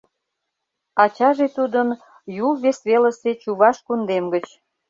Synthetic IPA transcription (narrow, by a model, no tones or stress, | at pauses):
ɑt͡ɕɑʒet̪ud̪ən | julβesβelə̆set͡ɕuβɑʃkund̪emɡət͡ɕ